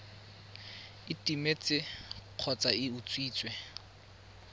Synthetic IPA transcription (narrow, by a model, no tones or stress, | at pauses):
ɪtʼimet͡sʼɪq͡χʰɔt͡sʼaɪut͡sʼwiːt͡sʼwɛ